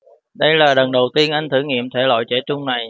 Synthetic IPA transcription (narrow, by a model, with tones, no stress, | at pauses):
ɗə˧jlaː˨˩lə˨˩nɗə˨˩wt̪i˧ənʔa˧jŋ̟t̪ʰɨ˧˩ŋḭ˧˨əmt̪ʰe˧˩lo̰˧˨jt͡ɕe˧˥t͡ɕʊ˧ŋ͡mna˨˩j